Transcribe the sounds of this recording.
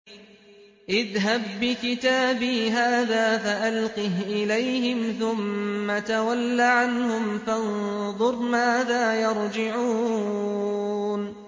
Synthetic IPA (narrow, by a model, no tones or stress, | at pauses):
ʔɪðɦabːɪkɪt̪aːbiːɦaːðaːfaʔalqiɦʔɪlajhɪmθʊmːat̪awalːaʕanhʊmfanðˤʊɾˤmaːðaːjɑɾˤd͡ʒɪʕuː | n